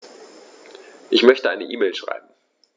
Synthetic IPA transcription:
ʔɪçmœçtəʔaɪnəʔiːmeːlʃʁ̥a̰ɪb̚m̩

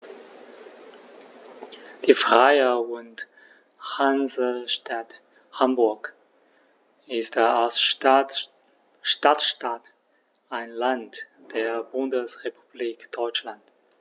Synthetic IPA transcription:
d̥iːfʁ̥aɪəʊnt | hanzəʃtʰat | hambʊɐk | ɪstals | ʃtatʃtat | aɪnlant | d̥eːɐbʊndəsʁepʰu̥b̥liːkd̥ɔʏt͡ʃlant

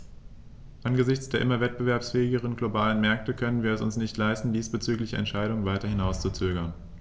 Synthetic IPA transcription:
ʔanɡəzɪçt͡sd̥eːɐʔɪmɐvɛt̚b̥əvɛɐpsfɛːɪɡəʁ̞ənɡlobaːlənmɛɐk̚təkʰœnənviːɐɛsʊnsnɪçtlaɪstn̩diːsb̥ət͡syːklɪçəʔɛ̰ntʃaɪɾʊŋənvaɪtɐhɪnaʊst͡sut͡søːɡɐn

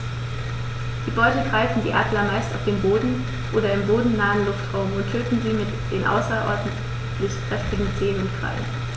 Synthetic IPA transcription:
d̥iːbɔʏtəɡʁaɪfn̩diːʔaːdlɐmaɪstaʊfd̥eːmboːdn̩ | ʔoːɾɐɪmboːdn̩naːənlʊftʁ̥aʊmʊnttʰøːtn̩ziːmɪtd̥eːnʔa̰ʊsɐʔɔ̰ɐdn̩t | lɪçpʁ̥ɛftɪɡŋ̩t͡seːnʊntkʁ̥a̰ɪn

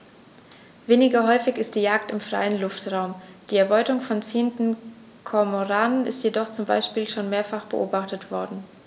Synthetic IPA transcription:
veːnɪɡɐɦɔʏfɪçɪst̚d̥iːjaːk̚tɪmfʁ̥a̰ɪənlʊftʁ̥aʊmd̥iːɛɐbɔʏtʊŋfɔnt͡seːəntn̩ | kʰɔɐmoʁaːnənɪstjedɔχt͡sʊmba̰ɪʃpiːlʃoːnmeːɐfaχb̥əʔo̰ːbaχtətv̥ɔɐdn̩

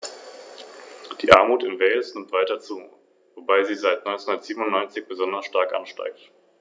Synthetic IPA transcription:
d̥iːʔaɐmuːtɪnvɛːlsnɪmtv̥aɪtɐt͡suː | vobaɪziːzaɪtnɔʏnt͡senhundɐətz̥iːbm̩ʊnːɔʏnt͡sɪçb̥əzɔndɐsʃtaɐkʔa̰nʃta̰ɪk̚t

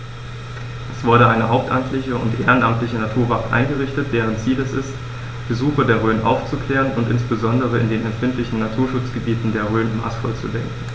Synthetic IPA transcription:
ʔɛsv̥ʊɐɾəʔaɪnəɦaʊp̚tʔamtʰlɪçəʊ̰ntʔeːʁənʔamtlɪçənatʰuːɐvak̩ʔa̰ɪnɡəʁɪçtət̚d̥eːʁ̞ənt͡siːlɛsɪst | b̥əzuːxədeːɐʁ̞øːnʔa̰ʊft͡sukʰl̥ɛːʁənʊntʔɪnsb̥əzɔndəʁ̞əɪndeːnɛmtfɪntlɪçn̩ːatʰuːɐʃʊt͡sɡ̥əbiːtn̩deːɐʁøːnma̰ːsfɔlt͡sṵdɛŋkŋ̩

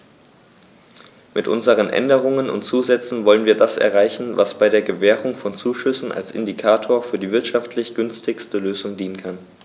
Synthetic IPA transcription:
mɪtʔʊ̰nzəʁ̞ənʔɛ̰ndəʁ̞ʊŋənʊ̰ntt͡suːzɛt͡sn̩vɔlənviːɐdasʔɛ̰ɐʁaɪçn̩va̰sb̥aɪɾeːɐɡəvɛːʁ̞ʊŋfɔnt͡suːʃʏsn̩a̰lsʔɪ̰ndikʰaːtʰoːɐfyːɐdiːvɪɐtʃaftʰlɪçɡ̥ʏnstʰɪçstəløːzʊŋdiːnənkʰan

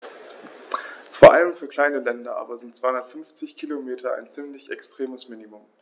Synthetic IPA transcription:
foːɐʔaləmfyːɐkʰl̥aɪnəlɛndɐʔa̰ːbɐzɪntt͡sːv̥aɪhʊndɐtfʏnft͡sɪçkʰilomeːtʰɐa̰ɪnt͡sɪmlɪçɛkstʁ̥eːməsmiːnimʊm

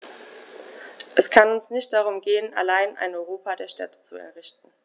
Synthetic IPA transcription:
ʔɛskʰanʊnsnɪçt̚d̥aʁ̞ʊmɡeːəna̰laɪnʔa̰ɪnɔʏʁoːpadeːɐʃtɛ̰tə̥t͡suɛ̰ɐʁɪçtn̩

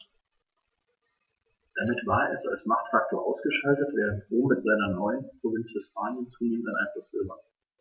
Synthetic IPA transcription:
d̥amɪtv̥aːɐɛ̰sa̰lsmaχtfak̚tʰoːɐʔaʊsɡ̥əʃaltətv̥eːʁətboːmɪtz̥aɪnɐnɔʏənpʁ̥ovɪnt͡shɪspaːnjənt͡suːneːmən̩tanʔa̰ɪnfɔsøːvɐ

